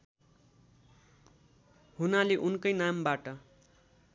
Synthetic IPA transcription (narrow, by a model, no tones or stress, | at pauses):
hunaleʔunkʌjnambaʈʌ